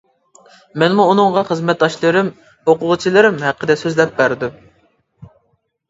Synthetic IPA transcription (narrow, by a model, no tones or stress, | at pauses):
mɛnmuːnɨŋʁɑχəzmɛt̪̚d̪ɑʃlˠɨɾɪm | hoqʊʁt͡ʃʰilˠɨɾɪmhæqʰːəd̪ɛsøzlɛp̚bæɾd̪u